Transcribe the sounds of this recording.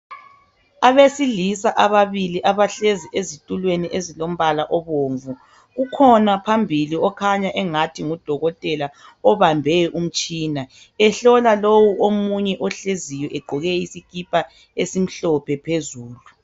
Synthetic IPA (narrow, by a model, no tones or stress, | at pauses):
aβesilisaʔaβaβiliʔaβaɬeziʔezitʼulweniʔezilom̩βalaʔɔβoːɱvu | ɣukʰɔnapʰambʱiliɔkʰaɲaʔɛŋatʰiŋud̥ʱɔɣɔtʼɛla | ɔβambʱɛʔum̩t͡ʃʼiːna | ɛɬɔlalowuomuɲɛʔɔɬezijɔʔɛɡ͡ǃʱɔɣɛisikʼipʰʼa | esim̩ɬɔpʰɛpʰezuːlu